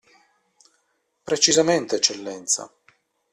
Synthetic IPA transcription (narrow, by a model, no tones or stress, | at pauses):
pɾet͡ʃizament̪eːt͡ʃːelːɛnt̪sa̰